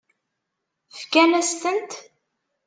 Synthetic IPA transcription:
fkænæst̪ənt̪

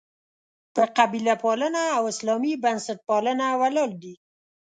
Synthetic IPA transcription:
d̪̥əqabilapɑlənaːwɪslɑmibansaʈ̚pɑlənawalɑld̪i

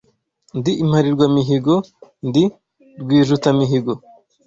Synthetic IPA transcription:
ndiʔːm̥haɾiɾɡwamiɦiɡond̪i | ɾɡwiːʒutamiɦiɡo

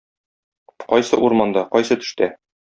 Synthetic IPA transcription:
qɒjsɤʔuɾmɑnd̪ɑqɒjsɤt̪ɵ̥̆ʃt̪æ

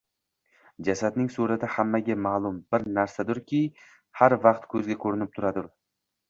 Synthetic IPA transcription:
d͡ʒasad̪nɪŋsɵɾad̪ahamːaɡʲamaːlˠʊmbɪɾnaɾsad̪ʊɾkʲʰɪ | haɾvɑqt̪kʰɵzɡʲakʰɵɾɪnɪp̚t̪ʰʊɾad̪ʊɾ

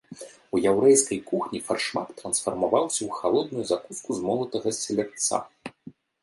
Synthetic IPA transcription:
ujawɾɛjskɐjkuxnʲifarʂmat̪ːɾɐnsfɐrmavawsʲɐwxalˠɔd̪̚nujuzakuskuzmɔlˠɐt̪ɐɣɐsʲɛlʲɛkt̪sa̰

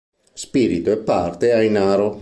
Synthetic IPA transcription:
spiːɾit̪oɛpːart̪eajnaːɾo

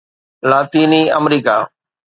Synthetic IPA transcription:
laːt̪iːniːəmɾiːka̰ː

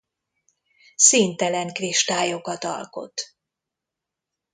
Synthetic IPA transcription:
siːnt̪ɛlɛŋkriʃt̪aːjokɒt̪ɒ̰lko̞̰t̪

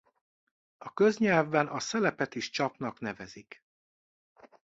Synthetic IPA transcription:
ɒkø̞zɲɛlvbɛnʔɒsɛlɛpɛt̪iʃt͡ʃɒpnɒkn̪ɛvɛzik

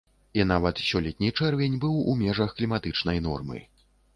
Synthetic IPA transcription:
inavɐt̪sʲɔlʲɛt̪ʲnʲit͡ʂɛrvʲenʲbɨwumʲɛʐɐxklʲimat̪ɨt͡ʂnɐjnɔ̰rmɨ̰

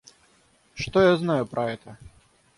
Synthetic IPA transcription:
ʂt̪ɔjaznajʊpɾʔɐɛt̪ə

